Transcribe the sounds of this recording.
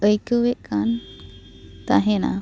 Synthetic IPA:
əjkəwɛʔkan | t̪aɦɛna̰

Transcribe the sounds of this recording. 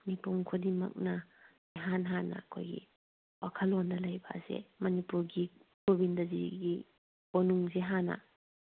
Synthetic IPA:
nipuŋkʰodimɐ̰k̚nɐ | iɦanɦanɐ̰kʰo̰jɡḭ | wakʰɐlonːɐlajba̰zḛmɐnipuɾɡikobindɐzḭɡi | bonuŋzeɦana̰

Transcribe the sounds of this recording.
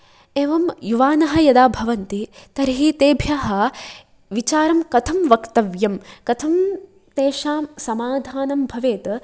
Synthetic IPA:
eːʋɐmjuʋaːnɐɦɐ̆jɐd̪aːbʱɐʋɐnt̪it̪ɐɾɦit̪eːbʱjaːɦɐ | ʋit͡ʃaːɾɐmkɐt̪ʰɐmʋɐkt̪ɐʋjɐmkɐt̪ʰɐm | t̪eːʃaːmsɐmaːd̪ʱaːnɐmbʱɐʋeːt̪ɐ

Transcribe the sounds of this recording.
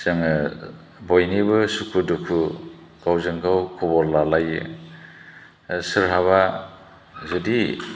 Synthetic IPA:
sɯŋɯ | bojnibɯsukʰudukʰu | ɡ̥awzɯŋkʰawkʰɔbɔɾlalajɯ̰ | sɯɾɦaβa | zɯdi

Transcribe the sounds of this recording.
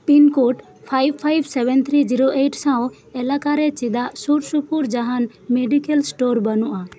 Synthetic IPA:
pinkoʈ | pʰajb̚pʰːajbʱsɛbɛnt̪ʰɾid͡ʒiɾoʔeʈsãw̃ | ɛlakaɾɛt͡ʃid̪aʔsuɾsupuɾd͡ʒaɦan | meɖikɛlsʈoɾbanuʔa

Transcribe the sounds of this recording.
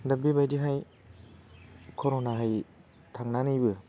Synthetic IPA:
dabibajdiɦaj | kʰoɾonaɦaj | t̪ʰaŋnanibɯ

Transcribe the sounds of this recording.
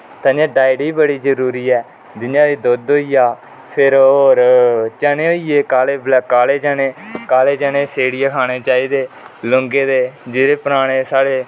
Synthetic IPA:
t̪ãːd͡ʒãːɖaːɪɖiːbəɽiːzəɾuːɾiːɛː | d̪ɪnjãːd̪iːd̪od̪oːiːjaː | pʰɪɾoːɾt͡ʃənẽːɦoiːjeːkaːleːblkaːleːd͡ʒəneːkaːleːd͡ʒəneːseːɽijaːkʰaːɽeːt͡ʃaːiːd̪eː | lʊŋɡeːd̪eːd͡ʒɪːɾeːpəɾaːɽeːsaːɽeː

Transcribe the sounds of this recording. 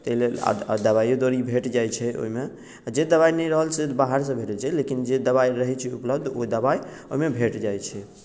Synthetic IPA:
t̪əɦilela̰a̰d̪əβajod̪oɾibʱeʈd͡ʒajt͡ʃʰɛo̰ɦime | ad͡ʒed̪əβainɛjɾəɦəlset̪baɦəɾs̬ə̃bʱeʈəlt͡ʃʰɛlekind͡ʒed̪əβaiɾəɦɛt͡ʃʰɛupləbd̪ʱo̰id̪əbai | oɦimebʱeʈd͡ʒajt͡ʃʰɛ

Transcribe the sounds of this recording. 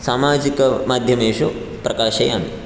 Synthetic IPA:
saːmaːd͡ʒikɐmaːd̪ʱjɐmeːʂu | pɾɐkaːʃɐja̰ːmḭ

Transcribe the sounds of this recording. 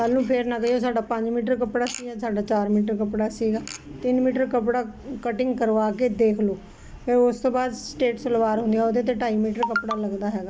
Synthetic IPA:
kəlːũːpʰɪɾnãːkəjoːsaːɖaːpə̃ɲd͡ʒmiːʈ̬əɾkəpɽaːsiːɡaːsaːɖaːt͡ʃaːɾmiːʈəɾkəpɽaːsiːɡaːt̪ɪnmiːʈəɾkəpɽaːkəʈɪ̃ŋɡkəɾʋaːkeːd̪eːkʰloː | eːʊst̪õːbaːd̪sʈeːʈsələʋaːɾɦʊ̃nd̪ijaːoːd̪eːt̪̬eːʈaːiːmiːʈəɾkəpɽaːləɡd̪aːɦɛːɡaː

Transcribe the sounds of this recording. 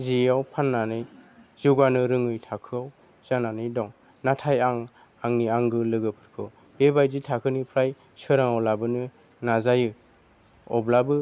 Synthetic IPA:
ziawpʰanːanɯjzuɡanɯɾɯŋɯjtʰakʰɯaw | z̥ananɯjdɔŋ | natʰajaŋ | aŋniaŋɡɯlɯɡɯpʰɯ̥ɾkʰɯw | b̥ebajzitʰakʰɯnipʰɾaj | sɯɾaŋawlabɯnɯ | nazajɯ | ɔblabɯ

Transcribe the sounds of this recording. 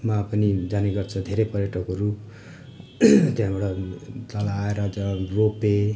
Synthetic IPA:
mapʌnid͡zaneɡʌrt͡sʰʌ̃d̪ʱeɾʌjpʌrjʌʈʌkoɾup | t̪eɦãbaɽʌt͡sʌlaeɾʌd͡zʌrope

